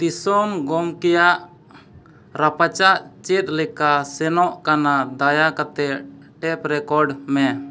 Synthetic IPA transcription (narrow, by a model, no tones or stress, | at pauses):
d̪isɔmɡɔmkɛjaʔ | ɾapat͡ʃaʔt͡ʃɛt̪̚lɛkasɛnɔʔkanad̪ajakat̪ɛ | ʈɛpɾɛkɔɾɖmɛ